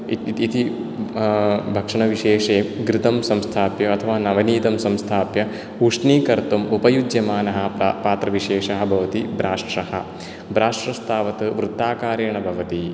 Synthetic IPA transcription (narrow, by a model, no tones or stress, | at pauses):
t̪i | bʱɐkʂɐɳɐʋiʂeːʂeːɡɾɪt̪ɐmsɐmst̪ʰaːpjɐɐt̪ʰɐʋaːnɐʋɐniːt̪ɐmsɐmst̪ʰaːpjɐ | uʂɳiːkɐɾt̪umupɐjud͡ʒjɐmaːnɐɦɐ̆paːt̪ɾɐʋiʃeːʂɐɦɐbʱɐʋɐt̪ibɾaːʂʈɾɐhɐ̰̆ | bɾaːʂʈɾɐst̪ʰaːʋɐt̪ɐʋɾut̪ːaːkaːɾjɐɐɳɐbʱɐʋɐt̪i